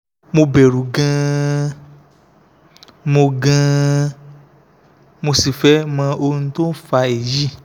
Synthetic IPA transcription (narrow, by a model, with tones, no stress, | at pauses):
mo˧bɛ˨ɾũ˨ɡã˧ | mo˧ɡã˧ | mo˧si˨fɛ˦mã˧o˧nũ˧˦to˦n̩˦fa˧e˨ji˦˨